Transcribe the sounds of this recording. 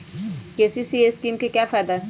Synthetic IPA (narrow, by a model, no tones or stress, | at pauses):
keːsisieskiːmkekjafaːd̪a